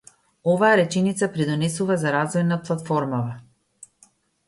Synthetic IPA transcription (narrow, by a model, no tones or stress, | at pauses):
ɔvaːɾɛt͡ʃɛnit̪sapɾid̪ɔnɛsuvazaɾazvɔjnaplˠat̪fɔɾmava